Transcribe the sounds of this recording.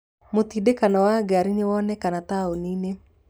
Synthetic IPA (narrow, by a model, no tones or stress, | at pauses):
mot̪idekanɔwaɡaɾinɪwɔnɛkanat̪aonine